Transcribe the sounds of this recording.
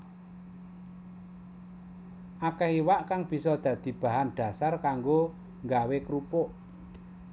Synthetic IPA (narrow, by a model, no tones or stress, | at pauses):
ʔakɛhiwaʔkaŋb̥i̤sɔd̪̥ä̤d̪̥i̤b̥ä̤ɦanɖ̪̥ä̤sarkaŋɡo | ŋɡawekɾupʊʔ